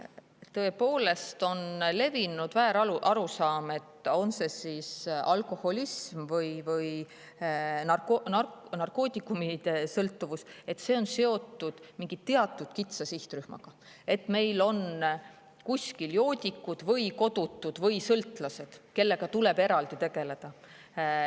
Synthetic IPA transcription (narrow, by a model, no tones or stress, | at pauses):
t̪ɤ̞e̞po̞ːle̞st̪o̞nle̞vinud̪væːɾɑluʔɑɾusɑːme̞t̪ːˑo̞nse̞sisɑlko̞ho̞lismvɤjvɤj | nɑkonɑnɑrko̞ːt̪ʲˑikːumid̪̥e̞sɤlt̪ːuvuse̞t̪ːse̞ːo̞nse̞o̞t̪ːˑud̪̥miŋɡ̥id̪̥̚t̪ːe̞ɑt̪ːˑud̪̥kit̪sɑsiht̪ryhmɑ̰ɡ̥ɑ | e̞t̪ːˑme̞jlo̞n | kusʲkiljo̞ːd̪ʲikːˑud̪̥vɤjko̞d̪̥ut̪ːud̪̥vɤjsɤlt̪ːˑlɑse̞d̪̥ke̞lːe̞ɡ̥ɑt̪ule̞be̞ɾɑld̪it̪e̞ɡ̥e̞le̞d̪̥ɑ